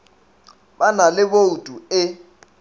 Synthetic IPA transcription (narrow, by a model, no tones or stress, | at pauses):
banalɪboutʼuɪ